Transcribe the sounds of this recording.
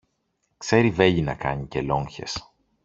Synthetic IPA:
kse̞ɾive̞ʎinɐkɐ̰ɲice̞lo̞ɲçe̞s

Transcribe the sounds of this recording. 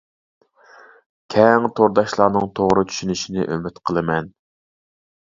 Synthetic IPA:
kʲʰɛŋt̪ʰoɾd̪ɑʃlˠɑːnɨŋt̪ʰoʁɾɨt͡ʃ̪ʰy̥ʃynyʃinɪ̰ʔømyt̪qʰəlˠɨmɛn

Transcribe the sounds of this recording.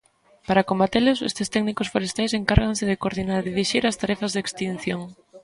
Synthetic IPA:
paɾakombat̪elʊsḛst̪ɪst̪ɛknikosfoɾest̪ajseŋkaɾɣansɪðɪkoɾðinaɾðiðiʃiɾast̪aɾɛfazðekst̪in̟θjoŋ

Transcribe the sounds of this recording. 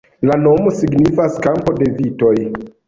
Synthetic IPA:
lano̞mo̞siɡnifaskampo̞de̞vito̞j

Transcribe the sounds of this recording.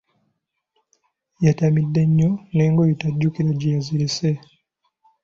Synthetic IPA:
jatamidːeɲːone̞ːŋɡojitaɟːukiɾaɟijaziɾese

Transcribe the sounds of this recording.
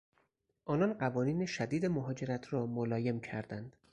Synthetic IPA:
ʔɒːnɒnɢævɒːniːneʃæd̪iːd̪emoɦɒːd͡ʒe̞ɾæt̪ʰɾɒːmolɒːje̞mcʰæ̰ɾd̪ænd̪̥

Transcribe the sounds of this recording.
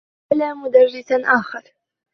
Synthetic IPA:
alaːmʊd̪ɑrːɪsaʔaːxɑɾˤ

